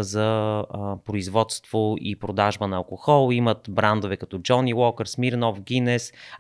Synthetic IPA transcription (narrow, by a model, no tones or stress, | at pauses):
zə | pɾoizvɔt̪st̪voipɾod̪aʒbənɐɐlˠkoxɔlˠimət̪bɾand̪ovɛkɐt̪ɔd͡ʒɔniwɔkəɾsmiɾnɔfɡʲinɛs